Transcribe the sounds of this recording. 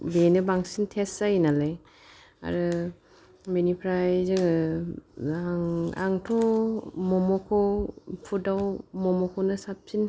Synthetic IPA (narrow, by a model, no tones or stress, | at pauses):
benɯbaŋsintʰesːajnalaj | a̰ɾɯ | minipʰɾajzɯŋ | aŋa̰ŋtʰɔmɔmɔkʰɔpʰudawmɔmɔkʰɔnɯsap̚sin